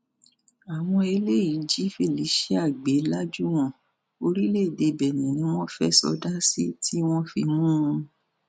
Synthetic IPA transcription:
a˨w̃ɔ̃˧e˧le˦i˨˦d͡ʒi˨˦fe˦˨li˨˦ʃe˦a˦˨ɡ͡be˨˦la˦d͡ʒu˦w̃ɔ̃˦ | o˧ɾi˦le˦˨de˧˨bɛ˨nĩ˨nĩ˦w̃ɔ̃˦fɛ˦sɔ̰˧da˦si˦tʰi˦w̃ɔ̃˦fḭ˧mũ˦ũ˧

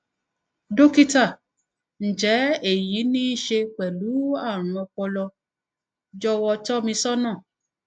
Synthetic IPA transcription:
do˦ki˦ta˦˨ | n̩˨d͡ʒɛ˨˦e˦˨ji˨˦nĩ˦i˦˨ʃe˧k͡pɛ˨lu˨˦a˦˨ɾ̃ũ˧ɔ˧k͡pɔ˧lɔ˧ | d͡ʒɔ˦wɔ˧tɔ˦mĩ˧sɔ˦nãː˦˨

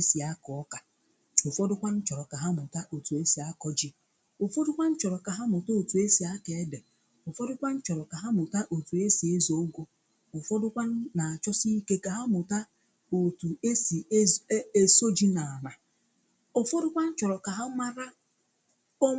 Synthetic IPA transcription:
e˦si˨a˦kɔ˨ɔ˦ka˨ | o˨fɔ˦dʊ˦kʷa˦n̩˦t͡ʃɔ˨ɾɔ˨ka˨ɦa˦mʊ˨ta˦ʔo˨tu˨e˦si˨a˦kɔ˦d͡ʒi˦ | ʊ˨fɔ˦dʊ˦kʷa˦n̩˦t͡ʃɔ˨ɾɔ˨ka˨ɦa˦mʊ˨ta˦o˨tu˨e˦si˨a˦ke˨e˦de˨ | ʊ˨fɔ˦dʊ˦kʷa˦n̩˦t͡ʃɔ˨ɾɔ˨ka˨ɦa˦mʊ˨ta˦ʔo˨tu˨e˦si˨e˦zo˦ɡo˦ | ʊ˨fɔ˦dʊ˦kʷa˦n̩˦na˨a˨t͡ʃɔ˦si˦ke˦ka˨ɦa˦mʊ˨ta˦ | o˨tu˨e˦si˨˦e˦so˦d͡ʒi˦na˨a˨na˨ | ʊ˨fɔ˦dʊ˦kʷa˦n̩˦t͡ʃɔ˨ɾɔ˨ka˨ɦa˦ma˦ɾa˦ | ɔ˦

